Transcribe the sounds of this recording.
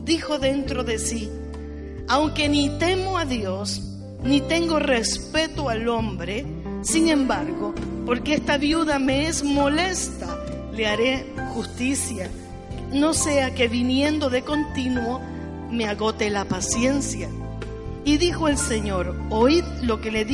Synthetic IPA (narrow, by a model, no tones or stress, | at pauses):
d̪ixo̞ðe̞nt̪ɾo̞ðe̞si | awŋke̞nit̪e̞mo̞aðjo̞s | nit̪e̞ŋɡo̞respe̞t̪oalo̞mbɾe | siŋẽ̞mbaɾɣo̞po̞ɾkeest̪aβjuðameezmo̞le̞st̪ale̞aɾe̞ | xust̪isja | no̞se̞ake̞βinje̞nd̪o̞ðe̞ko̞nt̪inwo̞ | me̞aɣo̞t̪e̞lapasje̞nsja | iðixo̞e̞lse̞ɲo̞ɾoj | lo̞ke̞le̞ð